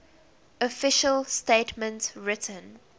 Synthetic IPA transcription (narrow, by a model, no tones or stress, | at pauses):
ɔfɪʃəlstetmə̃ntɹɪtʰə̃n